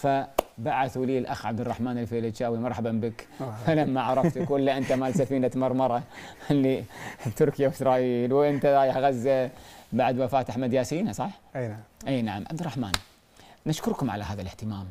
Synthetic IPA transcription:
fabaʕaθwliːlʔaxʕab̚d̪ɪrˤːɑħmaːnɪlfeːlɪt͡ʃaːwimɑɾˤħabambəkfalamːaʕɑɾˤɑft̪ʊkɪlːaʔɪnt̪amalsafiːnat̪mɑɾˤmɑɾˤɑɪlːibt̪ʊɾkɪjawɪsɾˤɑːʔiːlwʔɪnt̪aɾˤɑːjɪħɣazːabaʕd̪wafaːt̪aħmad̪jaːsiːnasˤɑħiːħʔeːnaʕamʕab̚d̪ɪrˤːɑħma̰ːn | naʃkʊɾˤkʊmʕa̰lahaːðalɪht̪ɪmaːm

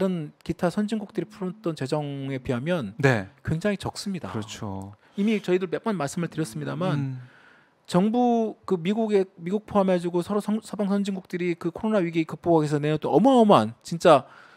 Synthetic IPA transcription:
taɾɯnkitʰasʰʌnd͡ʑiŋɡuk̚t͈ɯɾipʰuɾot͈ʌnt͡ɕe̞d͡ʑʌŋe̞piɦamjʌnnekwe̞ŋd͡ʑaŋit͡ɕʌk̚s͈ɯmɲida̰ɾʌt͡ɕʰo̰ | imit͡ɕʌidɯɭpe̞p͈ʌnmaɭs͈ɯmɯɭtɯɾjʌs͈ɯmɲidaman | t͡ɕʌŋbukɯmiɡuɡe̞miɡuk̚pʰoɦamɦe̞d͡ʑuɡosʰʌɾossʰʌbaŋsʰʌnd͡ʑiŋɡuk̚t͈ɯɾikɯkʰoɾonaɥiɡikɯk̚p͈oaɡes̬ʰʌneot͈oʌmʌʌmant͡ɕint͡ɕ͈a

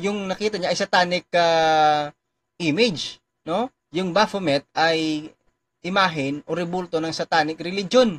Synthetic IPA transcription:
jʊŋnɐkiːt̪ɐɲaʔɐjsɐt̪aːnɪk̚ɐ | ʔimɪd͡ʒ | no̞ | jʊŋbafomɛt̪̚ɐj | ʔɪmaːɦɪnʔoɾɛbult̪onɐŋsɐt̪aːnɪkɾɛlɪd͡ʒon

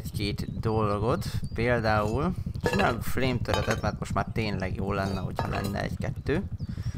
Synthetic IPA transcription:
keːt̪d̪olɡo̞t̪peːld̪aːult͡ʃinaːloɡfleːmt̪øɾɛt̪ɛt̪mɛrt̪mo̞ʃt̪maːrt̪eːnlɛɡjoːlːɛnːɛɦo̞chɒ̰lɛ̰nːɛ̰ɛ̰ɟkɛt̪ːøː

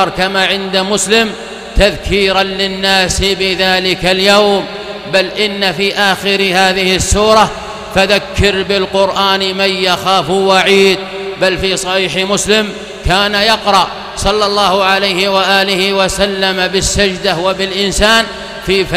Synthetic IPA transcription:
ɾˤkamaʕɪnd̪amʊslɪm | t̪aðkʰiːɾanlɪnːaːsɪbɪðaːlɪkaljawm | balʔɪnːafiːʔaːxɪɾhaːðɪhɪsːuːɾˤɑ | faðakʰːɪɾbɪlqʊɾʔaːnmajjaxaːfwaʕiːd̪̚ | balfiːsˤɑħiːħmʊslɪm | kaːnajɑqɾˤɑʔ | sˤɑlːɑlˤːɑːhʊʕalajhɪwaʔaːlɪhɪwasalːamabɪsːad͡ʒd̪awabɪlʔɪnsaːn | fiːf

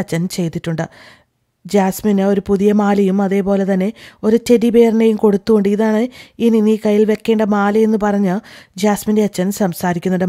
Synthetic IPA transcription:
ɐt͡ɕːɐnt͡ɕe̞jt̪ːiʈːuɳɖɨ | d͡ʑaːsminɨo̞ɾupuðijɐmaːlɐjumɐðe̞ːpo̞ːle̞t̪ɐnːe̞o̞ɾutedibe̞ːrine̞jumko̞ɽut̪ːuɣoɳɖɨiðaːɳɨininiːkɐjːilʋe̞kːe̞ːɳɖɐmaːlɐe̞nːɨpɐrɐɲːɨd͡ʑaːsminde̞ɐt͡ɕːɐnsɐmsaːɾikʲːunːɐɽɨ

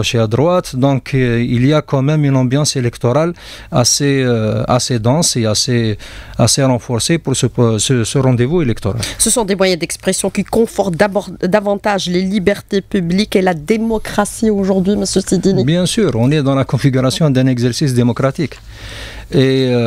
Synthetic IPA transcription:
ʃead̪ʁwat̪d̪ɔ̃kʰilijakɑ̃mɛmynɑ̃bjɑ̃selɛkt̪ɔʁal | a̰sea̰sed̪ɑ̃seaseaseʁɑ̃fɔʁsepuʁsəsəsəʁɑ̃d̪evuelɛkt̪ɔʁa̰lsəsɔ̃d̪emwajɛ̃d̪ɛkspχesjɔ̃kikɔ̃fɔʁt̪d̪ad̪avɑ̃t̪aʒlelibɛʁt̪epyblikelad̪emɔkχasioʒuʁd̪ɥiməsjøsid̪inibjɛ̃syːʁɔ̃nɛd̪ɑ̃lakɔ̃fiɡyʁasjɔ̃d̪ɛ̃nɛɡzɛʁsis̬d̪emɔkʁat̪ik | e

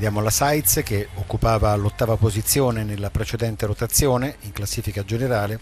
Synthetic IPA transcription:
d̪jaːmolasajt̪sk̟eokːupaːvaːlːot̪ːaːvapozit̪sːjoːnenelːapɾet͡ʃed̪ɛnt̪eɾot̪at̪sːjoːneiŋklasːiːfikad͡ʒeneɾaːle

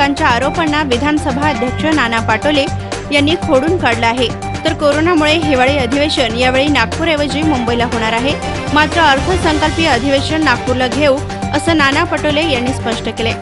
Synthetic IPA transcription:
aɲt͡ɕjaːɾopənːaʋid̪ʱanəsəbʱaəd̪ʱjəkʂənanapaʈəʋlejanːiːkʰoɽuːnkaɽləaɦe | t̪əɾkoɾonamuɭeɦeʋaɭiːəd̪ʱiʋeɕəɳjaʋeɭiːnak̚puːɾeʋəd͡ʑiːmumbəilaɦoɽ̃aɾaɦe | mat̪ɾəəɾt̪ʰəsəŋkəlpiəd̪ʱiʋeʂəɳːak̚puɾləɡʱeu | əsəːnanapaʈəʋlejanːiːspəʂʈəkele

